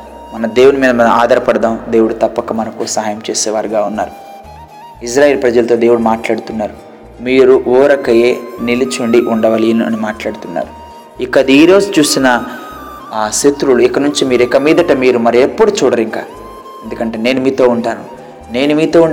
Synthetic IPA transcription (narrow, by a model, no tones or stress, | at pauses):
mɐnɐd̪e̞ːwunumiːd̪ɐmɐnɐaːd̪ʱɐɾɐpɐɽɐd̪aːmd̪e̞ːwuɽut̪ɐpːɐkɐmɐnɐkusɐɦaːjɐmt͡ʃeːsɛːʋaːɾiɡaːunːa̰ːɾu | is̬ɾaːjelpɾɐd͡ʒɐlɐt̪o̞ːd̪e̞ːwuɽumaːʈlaːɽut̪unːaːɾu | miːɾuʔuːɾɐkɐje̞ːnilit͡ʃuɳɖiʔuɳɖɐʋɐliɐniɐ̰nimaːʈlaːɽut̪unːa̰ːɾu | ikːɐd̪iiːɾo̞ːzut͡ʃuːsinɐ | set̪ɾuluikɐnuɲt͡ʃimiːɾɛkɐmiːd̪ɐʈɐmiːɾumɐɾiepːuɽut͡ʃuːɽɐɾiŋka̰ː | end̪ukɐɳʈe̞ːne̞ːnumiːt̪o̞ːuɳʈaːnu | ne̞ːnumiːt̪o̞ːuɳ